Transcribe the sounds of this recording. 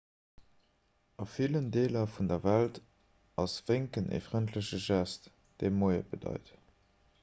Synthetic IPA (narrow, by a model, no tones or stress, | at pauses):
ɑfiləndeːlɐfundɐvælt | ʔɑsv̥eŋkənʔḛːfʁəntʰləɕəʒæst | d̥eɪmoɪə̰bədɑ̰ɪt